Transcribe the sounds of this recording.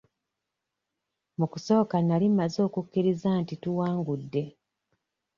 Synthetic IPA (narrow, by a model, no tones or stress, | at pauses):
mukuso̞ːkanalimːazo̞ːkukːiɾizaːntituwaːŋɡudːe̞